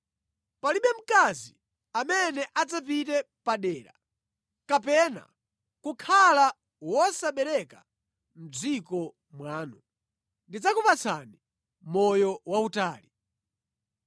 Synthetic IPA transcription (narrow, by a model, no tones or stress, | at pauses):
paliɓɛm̩kazi | amɛnɛʔad͡zap̬itɛ | paɗɛːɾa̰ | kapɛna̰ | kukʰala | wɔsaɓɛɾɛka | m̩d͡zikɔ | mwaːnu | ndid͡zakupat͡sʰa̰ni | mɔjɔwautaːli